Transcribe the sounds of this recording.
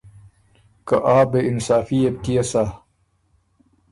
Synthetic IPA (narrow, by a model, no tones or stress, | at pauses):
kɐʔaːbeinsaːfieb̚t̪ijɐsa